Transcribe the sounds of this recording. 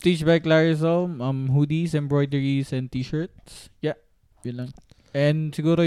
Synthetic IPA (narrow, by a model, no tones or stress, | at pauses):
t̪it͡ʃbajklaɹɪs̬ɔlmʔɐmɦuːd̪isɛ̃mbɹɔjd̪ɛɹisɛ̃n̚t̪iːʃəɹt̪̚sjaʔ | jʊnlɐŋ | ʔɛ̃nd̪sɪɡuːɾo